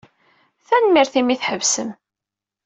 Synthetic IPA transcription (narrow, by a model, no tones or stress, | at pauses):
θænmiɾθimiθħəvsəm